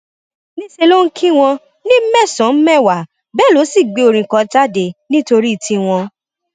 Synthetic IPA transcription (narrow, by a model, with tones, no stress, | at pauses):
nĩ˦se˧lo˦ŋ̩˦kʰĩ˦w̃ɔ̃˧ | nĩ˦mɛ˦˨sɔ̃˨˦m̩˦mɛ˦˨wa˨ | bɛ˦˨lo˨˦si˦˨ɡ͡be˨˧˦o˧ɾ̃ĩ˨kɔ̃˧ta˦de˧˨nĩ˦to˧ɾi˦˨tĩ˧w̃ɔ̃˧